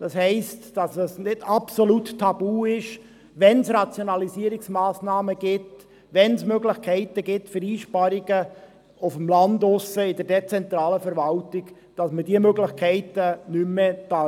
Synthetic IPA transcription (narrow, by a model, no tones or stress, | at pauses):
d̥ɑshɛɪstd̥ɑsəsnɪdɑpsoluttʰːɑb̥uːɪʃ | ʋɛnsɾɑt͡sjonɑlisiəɾɪksmaːsnɑːməɡ̥ɪt | ʋɛnsmøɡlɪχkʰɛɪtəɡɪtfəɾiːʃpɑɾɪɡ̥ə | ʊfəmlɑndʊsəɪdəɾdɛt͡sɛnt̪ɾɑːləfɛɾʋɑltɪɡ̥ | d̥ɑsmədiəmøɡlɪχkʰɛɪtənymːɛd̥ɑ